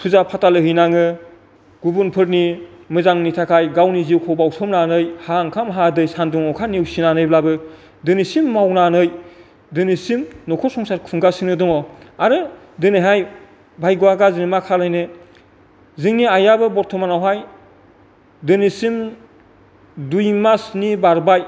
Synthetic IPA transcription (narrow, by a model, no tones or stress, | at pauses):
pʰuzapʰatalɯɦɯjnaŋɯ | ɡ̥ubunpʰɯɾnimɯzaŋnitʰakʰajɡawniziwkʰɔbawsʰɔmnanɯjhaŋkʰamɦadɯjsanduŋɔkʰaniwsinanɯjblabɯ | dɯnisimːawnanɯj | dɯnisimnɔkʰɔsɔŋsaɾkʰuŋɡasinɯdɔŋɔaɾɯ | dɯniɦaj | bʱajɡuwaɡazɯnimakʰalajne | zɯŋniajabɯbɔɾtʰɔmanawɦaj | dɯnisim | dujmasnibaɾbaj